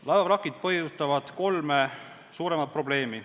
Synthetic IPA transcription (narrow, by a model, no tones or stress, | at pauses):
lɑevɑbɾɑkˑːid̪̥̚pɤɦjust̪ɑvɑd̪̥ko̞lme | suːɾe̞mɑt̪̚pro̞ble̞ːmi